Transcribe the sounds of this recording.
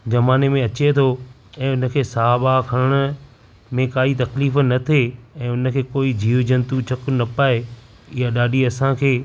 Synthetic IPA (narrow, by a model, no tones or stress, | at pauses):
zɐmaːnemẽɐt͡ɕet̪ʰo | ɛ̃ːʊnə̆kʰeːsaɦabakʰɐɽ̃əɽ̃ʊ̆ | mẽkaːit̪ɐkliːfnɐt̪ʰeɛ̃ːʊnə̆kʰeːkoːid͡ʑʱiːʋd͡ʑɐ̃nt̪ut͡ɕʰɐknɐpaːe | ɪjaɗaːɗiɐsãkʰeː